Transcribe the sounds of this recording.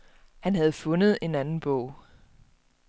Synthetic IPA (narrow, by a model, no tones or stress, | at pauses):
hænɦæð̞̩ˠfɔ̽nəð̞̩ˠe̝nænn̩b̥ɔʊ̰